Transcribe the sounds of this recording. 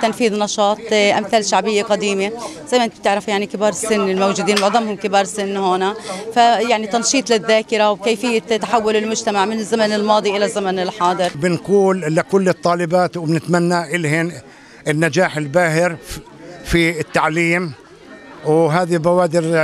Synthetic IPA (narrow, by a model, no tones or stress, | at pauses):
t̪ːanfiːðnɑʃɑːt̪ˤʔamθaːlʃaʕbɪjːeqɑd̪iːme | z̥ajmanb̚t̪ɪʕɾafjaʕnikɪbɑːɾˤɪsːɪnːɪlmowʒuːd̪iːnmʊʕðˤɑmhʊmkɪbɑːɾˤsɪnːhoːnafajaʕnit̪ɑnʃiːt̪ˤlɪðːaːkɪɾawkeːjfɪjːat̪ːaħawːʊlɪlmʊd͡ʒt̪amaʕmɪnɪzːamanɪlmɑːd̪ˤiʔɪlazːamanɪlħɑːd̪ˤɨɾbɪnquːlʔɪlakʊlːɪɨt̪ˤːɑːlɪbaːt̪wbnɪt̪manːaʔɪlhɪn | ɪnːad͡ʒaːħɪlbaːhɪɾ | fiɪt̪ːaʕliːm | wɦaːðibawaːd̪ɪɾ